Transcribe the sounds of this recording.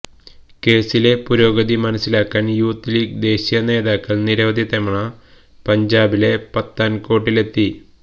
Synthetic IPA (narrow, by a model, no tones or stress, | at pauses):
ke̞ːsile̞puɾo̞ːɡɐd̪imɐnɐsːilaːkːaːnjuːt̪ːilikd̪e̞ːɕijɐne̞ːðaːkːɐɭniɾɐʋɐd̪ʱjɐt̪ɐmɐɳɐ | pɐɲd͡ʑaːbile̞pɐt̪ːaːnko̞ːʈ̬ːile̞t̪ːi